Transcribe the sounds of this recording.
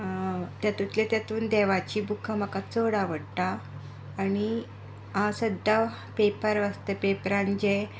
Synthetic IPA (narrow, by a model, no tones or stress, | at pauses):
t̪jat̪ut̪let̪jat̪uːnd̪ɛʋat͡ɕiːbukʰam̤əkat͡soɽaʋəɽʈ̪aː | ñi | ɦãsəd̪ʱa | pepəɾʋəst̪əpepɾãɲd͡ʑe